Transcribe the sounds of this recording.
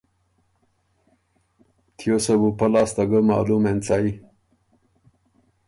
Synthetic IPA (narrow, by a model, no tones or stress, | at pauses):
t̪ʰjosɐbupɐlaːst̪ɐɡəma̰ːlument͡saːi